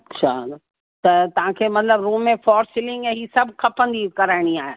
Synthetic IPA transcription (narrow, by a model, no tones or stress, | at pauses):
ɐtt͡ʃʰa | t̪ɐt̪ɐʋ̤ãkʰeːmɐt̪ləbɾuːmːẽfɔːɾsɪlɪ̃ŋɡɛ̃ɦiːsɐbkʰɐpə̃nd̪ikɐɾaːɪɽ̃iaːɦe